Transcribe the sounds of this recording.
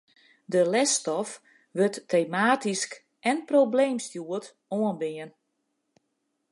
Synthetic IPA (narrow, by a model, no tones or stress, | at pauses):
dəlɛstɔf | ʋøtːejmaːtisk | ʔɛnprobleːmstjuət | oənbɪən